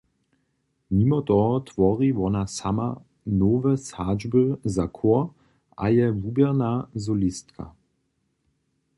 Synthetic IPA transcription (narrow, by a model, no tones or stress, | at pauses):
mimɔt̪ɔɦɔt̪ʋɔʁiʋɔnasama̰ | noːvɛsaːd͡ʒbəzakʰɔɐ | ʔa̰jɛvubjɛʁnazɔlist̪kʰa̰